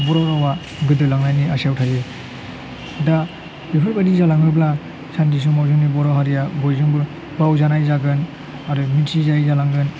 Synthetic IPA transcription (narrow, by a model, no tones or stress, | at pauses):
bɔɾɔɾawa | ɡɯdɯlaŋnajniasawtʰaze | da | bipʰajbadizalaŋɯbla | sandis̬umawzuŋnibɔɾɔɦaɾijabɔjzɯŋbu | bawzanajzaɡɯn | aɾumitʰizajzalaŋɡɯn